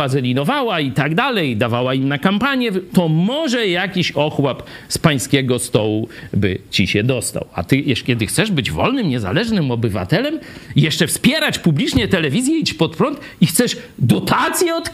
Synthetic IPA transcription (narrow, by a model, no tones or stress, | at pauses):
azɛlʲinɔvawait̪aɡd̪alɛjd̪avawaimnakampaɲjɛt̪ɔmɔʐɛjakʲiɕɔxwap | spaj̃skʲɛɡɔst̪ɔwubɘt͡ɕiɕɛd̪ɔst̪a̰wa̰t̪ɘjɛʂkʲɛd̪ɘxt̪sɛʐbɘd͡ʑvɔ̰lnɘmɲɛza̰lɛʐnɘmɔbɘva̰t̪ɛlɛmjɛʂt͡ʂɛfspʲjɛɾat͡ɕpublʲit͡ʂɲɛt̪ɛlɛvʲizʲjɛit͡ɕpɔt̪̚pɾɔnt̪ | ixt̪sɛʂd̪ɔt̪at̪sʲjɛɔt̪